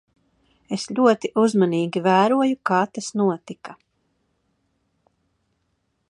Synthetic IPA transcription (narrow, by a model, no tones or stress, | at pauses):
esʎʲuɔt̪iʔuzmaniːɡʲivæːɾuɔjukaːt̪asnuɔt̪ika